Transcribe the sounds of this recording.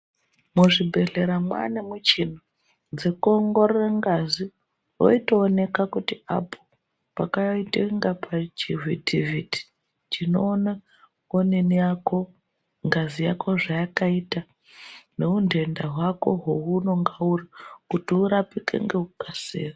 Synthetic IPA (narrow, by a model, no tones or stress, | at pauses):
muʐibʱe̞ɮe̞ɾamwa̰nemut͡ʃin̤o | d͡zekoŋɡo̞ɾeraŋɡazi | o̰ito̞ːne̞kakutia̰pʰo | pakaiteŋɡapʰat͡ʃivitʰiviti̥ | t͡ʃino̞ːna | onenijako̞ | ŋɡazija̰kʰo̞ʐajakaita | ne̞unde̞ndaɦwako̞̰ɦoɦuno̞ŋɡaurikutiuɾapikḛŋɡeukasḛːra